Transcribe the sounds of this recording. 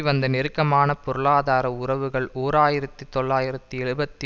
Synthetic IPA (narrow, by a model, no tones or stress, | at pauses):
ʋɐnd̪ɐnɛɾɯkːɐmaːnɐpɔɾɯɭaːðaːɾɐʊrɐʋɯɣɐɭoːɾaːjɪɾɐt̪ːɯt̪ːɔɭːaːjɪɾɐt̪ːɯɛɻɯbɐt̪ːi